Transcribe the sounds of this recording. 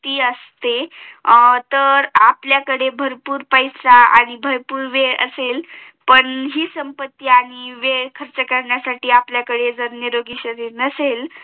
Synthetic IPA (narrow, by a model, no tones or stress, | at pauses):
t̪iːəst̪e | t̪əɾapljakəɽebʱəɾpuːɾpəjsaa̰ɽ̃ibʱəɾpuːɾʋeʔə̰sel | pəɳɦiːsəmpət̪ːiaɽ̃iʋekʰəɾt͡ɕəkəɾɳjasaʈiːapljakəɽed͡zəɾnjeɾoɡiːɕəɾiːɾnəsel